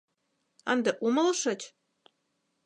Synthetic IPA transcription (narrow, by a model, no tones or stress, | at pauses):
ənd̪ĕʔuməlʃɤ̆t͡ɕʲ